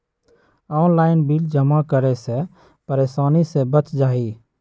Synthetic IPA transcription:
ɔnlaɪnbild͡ʒəmakəɾɛsẽ | pəɾeːsaːnisẽbət͡ʃd͡ʒaːɦi

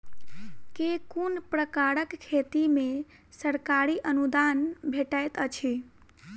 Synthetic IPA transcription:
kekunpɾəkaɾəkkʰːet̪ime | səɾkaɾiʔənud̪anbʱeʈajt̪ət͡ʃʰi

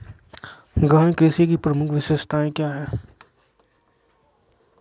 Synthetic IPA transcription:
ɡaːɽ̃ikɾeːsik̬ipɾəmʊkʰʋɪʃəst̪ʰaẽkjaːɦɛː

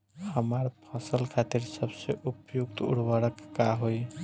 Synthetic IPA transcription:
həməɾpʰəsəlkʰat̪iɾsəbseʔupjuk̚t̪ṵɽwəɾəkːaɦoj

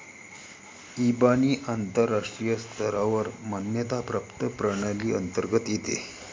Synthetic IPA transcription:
ibaniːʔant̪əɾːaʂʈɾijəst̪ʰəɾaʋəɾmanjət̪apɾapt̪əpɾəɽ̃aliːənt̪əɾɡət̪jet̪ḛ

